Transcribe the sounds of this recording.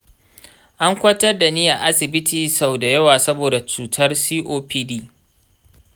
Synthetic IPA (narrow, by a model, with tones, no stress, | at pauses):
ʔa˦ŋkʷɐ˦tɐ˦rda˨nɪ˦ja˨ʔa˦sɪ˨bɪ˦tʰiː˨sa˨wda˨jɐ˦waː˨sɐ˦boː˨da˨t͡ʃuː˨tʰɐ˦rsiː˦ʔoː˦pʰiː˦diː˦